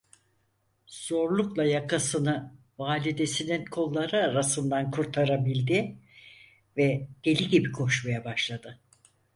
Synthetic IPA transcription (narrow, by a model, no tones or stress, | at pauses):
z̥o̞ɾlˠuklˠajakʰasɯnɯ | vaːlʲid̪e̞sininkʰo̞lˠːaɾɯaɾasɯnd̪ankʰuɾt̪ʰaɾabilʲd̪i | vɛd̪̥e̞lʲiɟibikʰo̞ʃmajabaʃlˠad̪ɯ